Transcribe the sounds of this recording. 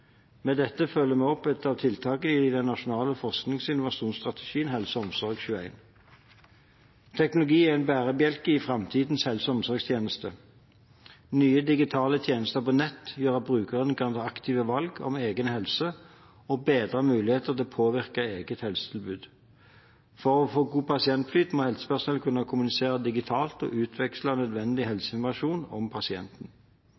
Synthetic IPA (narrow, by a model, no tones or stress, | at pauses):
mɛd̪ɛt̪ːəfœlːəmɛːɔpːɛt̪ɑʋt̪ʰɪlt̪ʰɑːkəd̪ɛnːɑʃʊnɑːləfɔʁsknɪŋsɪnʊʋɑʃuːnst̪ʁɑt̪ʰə̥ʃiːənhɛlsɔmsɔʁɡçʉːəæ̰ɪn | t̪ʰɛknʊlʊɡiːæɛnbæːʁəbjɛlkəɪfʁɛmt̪ʰiːd̪n̩shɛlsɔmsɔʁɡst̪ʰjeːnəst̪ə | nyːəd̪ɪɡɪt̪ʰɑːlət̪ʰjeːnəst̪əʁpɔnɛt̪ːjøːʁɑt̪̚bʁʉːkəʁənkʰɑɑnd̪ɑkt̪ʰiːʋəʋɑlɡɔ̰meːɡənhɛlsə | ɔbeːd̪ʁəmʉːlɪheːt̪əʁt̪ʰɪlɔpʰoːʋɪʁkəeːɡət̪hɛlsə̥t̪ʰɪlbʉːd̪ | fɔʁɔfoːɡuːpʰɑsɪɛnt̪flyːt̪moːhɛlsə̥pæʁsnɛlkʰʉnːəkʰʊmʉnɪseːʁəd̪ɪɡɪt̪ʰɑːlt̪ɔ̰ːʔʉːt̪ʰʋɛkslɑnœd̪ʋɛnd̪ɪhɛlsəɪnɔmɑʃuːnɔ̰mpʰɑsɪɛ̰nt̪n̩